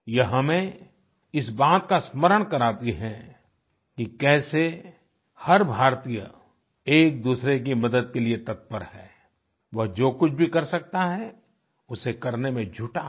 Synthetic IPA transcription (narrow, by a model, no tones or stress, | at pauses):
jɐɦɐmẽ | ɪsbaːt̪kasməɾəɽ̃kɐɾaːt̪iɦɛ̃ | kikɛːse | hɐɾbʱaːɾt̪ijə̰ | eːk̚d̪uːsɾek̬imɐd̪əd̪̚keliet̪ɐt̪̚pəɾhɛː | ʋɐɦd͡ʒoːkʊt͡ʃʰbʱikɐɾsɐk̚t̪aɦɛ | ʊsekɐɾnemẽd͡ʒʱʊʈa